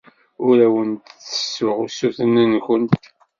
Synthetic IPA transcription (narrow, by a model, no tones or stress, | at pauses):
ʊɾæwənt̪θə̥sʊʁusːuθənənxənt̪